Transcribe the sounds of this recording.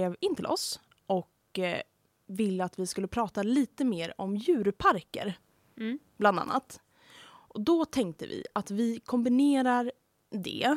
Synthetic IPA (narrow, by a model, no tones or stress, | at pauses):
eːvɪnt̪ʰɪlɔ̰s | ʔɔk | vɪlːəat̪vɪskɵlːəpʰɾɑːt̪aliːt̪əmeːɾɔmjʉ̟ːɾpʰaɾkə̰ɾ | b̥land̪a̰nːa̰t̪ | ʔɔd̪ɔt̪ʰɛŋk̚t̪ə̰vɪ̰at̪vɪkʰɔmbɪneːɾaɾ | d̪ɛ̰